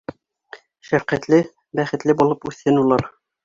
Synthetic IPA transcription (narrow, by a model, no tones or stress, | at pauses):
ʃæɾqæt̪lɘ | bæχɘ̆t̪lɘbulˠɤpʉθɘnulˠɑɾ